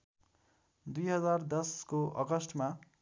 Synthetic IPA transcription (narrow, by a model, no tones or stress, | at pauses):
d̪ujɦʌd͡zard̪ʌskoʔʌ̰ɡʌsʈʰma